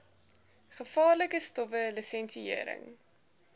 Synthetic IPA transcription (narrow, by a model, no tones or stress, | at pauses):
χəfɑːrləkəstɔfəlisɛnsieəɾə̰ŋ